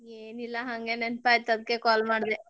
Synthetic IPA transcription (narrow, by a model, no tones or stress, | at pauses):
eːnilːɐɦɐŋɡenenpaːjt̪ːɐd̪kːekaːlmaːɽd̪e